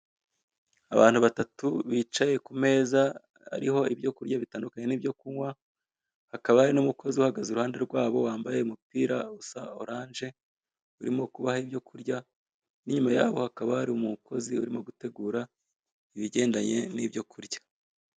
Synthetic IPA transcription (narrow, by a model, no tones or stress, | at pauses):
aβaːn̥huβatatuβiːt͡ʃaje̞kume̞ːza | a̰ɾiho̞ibjo̞kuɾjaβitaːndukaɲe̞niːbjo̞kuŋwa | hakaβahaɾinumukʰo̞ziuhaɡazuɾuhaːnde̞ɾɡwaːβo̞waːmbajeumupiːɾausao̞ɾaːnʒe̞ | uɾimo̞kuβahaibjo̞kʰuɾɟa | niɲumaja̰ːβo̞hakaβahaɾiumuko̞ziuɾimo̞ɡute̞ɡuːɾa | iβiɟe̞ːndaɲe̞niːbjo̞kʰuɾɟḁ